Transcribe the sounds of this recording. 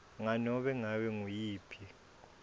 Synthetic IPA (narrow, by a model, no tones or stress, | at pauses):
ŋanɔɓɛŋawɛŋujiːpʰi